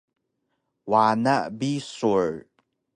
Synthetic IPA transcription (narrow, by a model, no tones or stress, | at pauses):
wanaʔbisuɹ